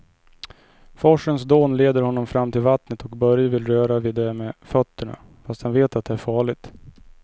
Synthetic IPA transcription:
fɔʂənsd̪oːnleːd̪əɾhɔnːɔmfɾamːt̪ʰɪlvat̪nət̪ɔkbœɾjəvɪlɾøːɾavɪːd̪ːɛmɛfœt̪ːəɳa̰ | fast̪dhɛnveːt̪at̪̚d̪ɛæɾfɑːɭɪɡt̪

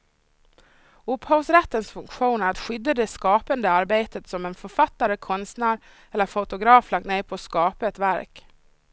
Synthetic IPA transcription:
ɵpːhɑsɾɛt̪ːənsfɵŋkɧuːnæɾat̪ɧʏd̪ːad̪ɛskɑːpənd̪əaɾbeːt̪ət̪sɔmɛnfœɾfat̪ːaɾəkʰɔnst̪næːɾ | ɛlːəɾfʊt̪ʊɡɾɑːflak̚t̪neːɾpʰɔskɑːpaɛt̪væɾk

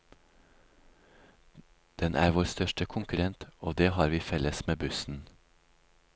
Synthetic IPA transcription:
d̪̥ɛnʔæːɾʋoːɾst̪œʃʈəkʰʊŋkʉɾɛnt̪oːd̪eːhɑːɾʋiːfɛləsmeːbʉsn̩

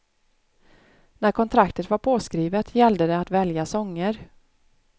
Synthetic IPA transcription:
næɾkʰɔnt̪ʰɾakt̪ət̪vaɾpʰoːskɾiːvət̪ʰjɛld̪əd̪ɛat̪vɛljasɔŋːəɾ

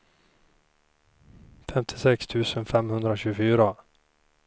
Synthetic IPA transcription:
fɛmt̪ʰɪ̥sɛkst̪ʰʉ̟ːsənfɛmhɵnd̪ɾaɕʉ̟ːɡəfyːɾa

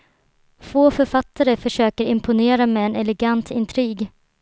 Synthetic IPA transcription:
foːfœɾfat̪ʰːaɾəfœʂøːkəɾɪmpʰʊneːɾamɛɛnɛlɛɡant̪ʰɪnt̪ʰɾiːɡ

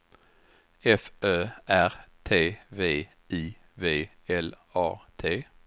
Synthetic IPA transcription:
ɛfʔøːʔæʁt̪ʰeːveː | iː | veː | ɛlɑ̰ːt̪ʰeː

